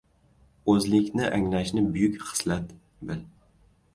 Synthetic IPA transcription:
ɵzlɪkʲnɪʔaŋlaʃnɪbʊjʊkʲχɨ̥slat̪ | bɪl

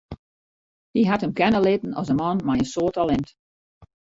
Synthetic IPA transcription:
hiɦathəmkɛnəlɪtn̩ɔ̰səmɔnmajənsoːtalɛnt

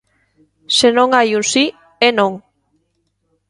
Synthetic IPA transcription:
senõŋajunsi | enõŋ

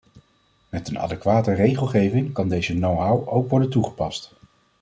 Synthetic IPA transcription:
mɛtənɑ̰dɛkʋaːtərejχəlˠχejvɪŋkɑndejzənowɦawʔowkʋɔɹdəntuχə̥pɑst

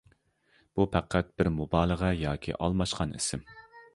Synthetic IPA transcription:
b̥upʰæqʰːæt̪̚b̥ɪɾmubɑːlˠəʁɑjɑːkʲʰḭʔɑ̰lˠmɑʃqɑnɪ̰sɪm

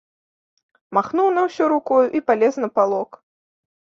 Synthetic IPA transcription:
maxnuwnɐwsʲɔɾukɔjuʔipalʲɛsnɐpalˠɔk

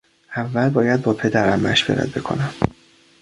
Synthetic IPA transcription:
ʔævːælbɒːjæd̪̚bɒːpʰe̞d̪æɾæmːæʃbeɾæ̰d̪̚be̞kʰo̞̰næm

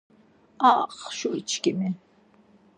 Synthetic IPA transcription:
ɑqʃʊit͡ʃkɪmɪ

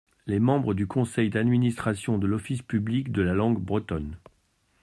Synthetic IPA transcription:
lɛmɑ̃bʁəd̪ykʰɔ̃sɛjd̪ad̪minist̪χasjɔ̃d̪əlɔfispyblikd̪əlalɑ̃ɡbʁət̪ɔn

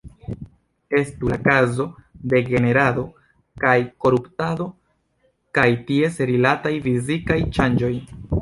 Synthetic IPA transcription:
e̞stulakazo̞de̞ɡe̞ne̞ɾado̞ | kajko̞ɾuptado̞ | kajtie̞seɾilatajfizikajt͡ʃand͡ʒo̞j

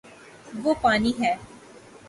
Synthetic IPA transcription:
ʋoːpaːniːɦɛː

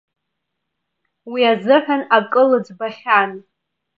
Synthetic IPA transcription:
wiazɨħʷᶣanakʼɨlɨd͡zbaχʲan

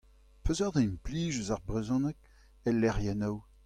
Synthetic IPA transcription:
pøzœʁd̪aimpliːʒyzaʁbʁezɔ̃nɛk̚ | ɛlːɛʁjɛnaw

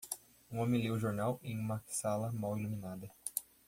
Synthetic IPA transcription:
ũõmẽlewʊʒoɾnawẽj̃ũmɐsalɐmawilumĩnad̪ɐ

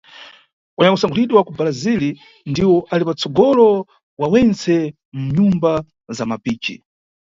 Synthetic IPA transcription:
uɲakusaŋɡulitiwakubalazili | ndiwɔʔalipat͡sɔɡɔlɔ | wawɛnt͡sɛ | m̩ɲumba | zamapiːt͡ʃḭ

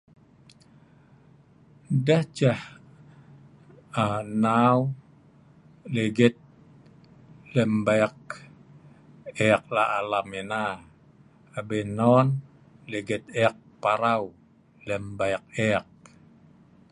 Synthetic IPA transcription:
daht͡ʃah | anaw | leɡɛt̪̚ | lɛmbajk̚ | ɛk̚laːlamena | abenɔn | leɡɛt̪̚ɛk̚paɾaw | lɛmbaɛk̚ɛk̚

